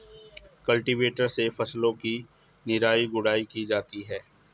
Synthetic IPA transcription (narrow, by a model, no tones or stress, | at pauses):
kɐlʈɪʋeːʈəɾsefɐslõki | nɪɾaːiɡʊɽaːikid͡ʒaːt̪iɦɛː